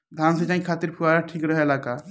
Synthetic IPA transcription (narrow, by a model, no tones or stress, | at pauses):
d̪ʱansẽt͡ʃaɦĩkʰat̪iɾpʰuaɾaʈʰikɾəɦɛlaka